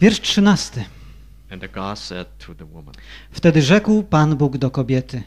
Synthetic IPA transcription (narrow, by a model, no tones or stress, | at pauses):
vʲjɛɾʂtʂɘnast̪ɘ | ɨ̃nðɨɡɑsɛ̰d̚tʰəðəwʊmə̃nft̪ɛd̪ɘʐɛkwpanbuɡd̪ɔkɔbʲjɛt̪ɘ